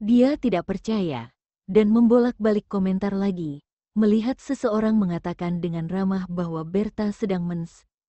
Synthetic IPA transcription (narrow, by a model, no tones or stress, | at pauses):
diat̪idaʔ̚pərt͡ʃaja̰ | danməmbolak̚balɪkːomɛnt̪arlaɡi | məliɦat̪̚səsəoɾaŋməŋat̪akandəŋanramahbahwabɛrt̪asədaŋməns